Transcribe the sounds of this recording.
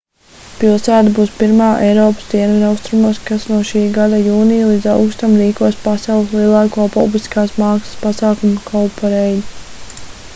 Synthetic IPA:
pilˠsæːt̪abuːspiɾmaːʔɛjɾɔːpə̥sd̪iɛnvinawst̪ɾumaːskasnuɔʃiːɡad̪ajuːnijlˠiːd̪zawkst̪amɾiːkuɔjspasɑwlˠslˠiɛlˠɑːkɔːpɔblˠiskaːsmɑːksɐ̥spasɑːkumukʰawpaɾɛji

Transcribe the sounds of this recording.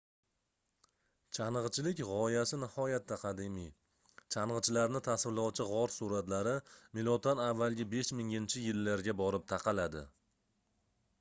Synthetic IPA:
t͡ʃʰanɨʁt͡ʃʰɪlɪkʲʁɒjasɪnɪhɒjat̪ːaqʰɑd̪ɪmi | t͡ʃʰanʁɨt͡ʃʰɪlaɾnɪt̪ʰasvlawt͡ʃʰɪʁɒɾsuɾat̪laɾɪmɪlˠɒt̪ʰanavːalˠɡʲabe̞ʃmɪŋɪnt͡ʃʰɪjɪlːaɾɡʲabɒɾɪp̚t̪ʰaqʰɑlad̪ɪ̰

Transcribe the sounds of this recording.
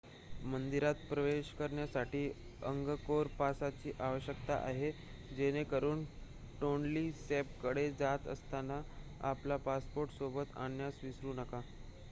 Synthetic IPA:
mənd̪iɾat̪pɾəʋeɕkəɾɳjasaʈiːəŋɡəkoɾpasat͡ɕiːʔaʋəɕjəkt̪a̰ʔa̰ɦe | d͡ʑenekəɾuːn | ʈonliːsep̚kəɽed͡zat̪ə̰st̪ana | a̰plapaspoɾʈsobət̪a̰njasʋisɾuːnəka

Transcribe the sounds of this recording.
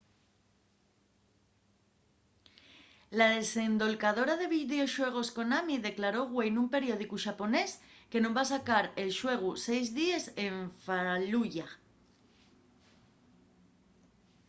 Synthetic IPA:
laðe̞se̞nd̪o̞lkaðo̞ɾaðe̞βiðeo̞ʃwe̞ɣ̞o̞sko̞namiðe̞klaɾo̞ɣwe̞jnumpe̞ɾjo̞ð̞ikuʃapo̞ne̞ske̞nombasakaɾe̞lʃwe̞ɣ̞use̞jzðiese̞ɱfaluʝa

